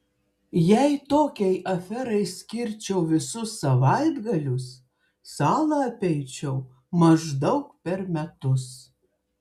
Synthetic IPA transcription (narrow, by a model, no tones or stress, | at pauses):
jæɪt̪oːkʲɛɪʔɐfʲɛɾɐɪsʲkʲɪɾʲt͡ʃʲɛʊʋʲɪsʊsːɐʋɑɪd̪ɡɐlʲʊs | sɑːlˠɐɐpʲɛɪt͡ʃʲɛʊ | mɐʒd̪ɐʊkpʲɛɾmʲɛt̪ʊs